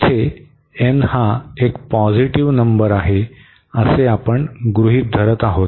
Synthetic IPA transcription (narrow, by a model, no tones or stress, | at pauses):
t̪ʰe | enhaekpɔd͡ziʈiʋnəmbəɾaɦe | əseapəɳɡɾuɦiːt̪̚d̪ʱəɾət̪aɦot̪